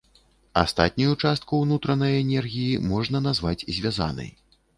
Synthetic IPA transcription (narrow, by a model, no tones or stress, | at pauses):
a̰st̪a̰t̪ʲnʲujut͡ʂast̪̚kuwnut̪ɾɐnɐjɛnʲɛrɣʲijimɔʐnɐnazvat͡sʲzʲvʲaza̰nɐ̰j